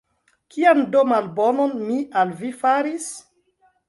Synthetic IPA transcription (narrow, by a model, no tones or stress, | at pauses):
kiandomanbononmiʔalvifaɾis